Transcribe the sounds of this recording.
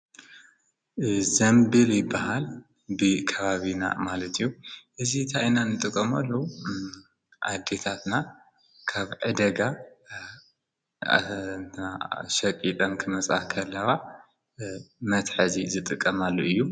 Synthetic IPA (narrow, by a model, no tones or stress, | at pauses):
zɐmbɨljɪbːahal | bɨkʰɐβaβina̰malɐt̪ʰɨjːuʔɨzint̪ʰaʔinanɨt̪ʼɨkʼːɐmalːo | ʔa̰d̪e̞t̪ʰat̪na | kʰaβʕɨd̪ɐɡa | nt̪ʰɐnaʃɐkʼit̪ʼɐnkʰɨmɐt͡sʼa̰hkʰɐlːɐβa | mɐt̪ħɐzizɨt̪ʼɨkʼːɐmalːoʔɨjːu